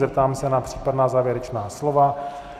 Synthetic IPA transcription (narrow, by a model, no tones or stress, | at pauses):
zɛp̚t̪aːmsɛnapr̝̥iːpadnaːzaːvjɛɾɛt͡ʃnaːslova